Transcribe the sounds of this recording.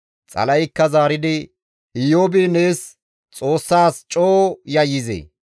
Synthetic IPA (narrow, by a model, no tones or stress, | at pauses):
t͡sʼɐ̰lɐjkːɐzaːɾɪd̪ɪ | ɪjoːbɪne̞ːs | t͡sʼo̞ːsːaːst͡ʃʼoːjɐjːɪzḛ